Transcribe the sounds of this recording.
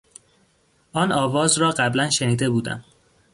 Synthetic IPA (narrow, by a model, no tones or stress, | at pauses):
ʔɒːnʔɒːvɒːzɾɒːɢæblænʃeniːd̪e̞buːd̪æ̰m